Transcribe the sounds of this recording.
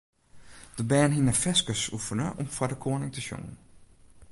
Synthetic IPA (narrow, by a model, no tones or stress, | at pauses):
d̥əbɛːnɦinəfɛskəsufənəʔɔmfwadəkʰoːənɪŋtəʃjo̰ŋən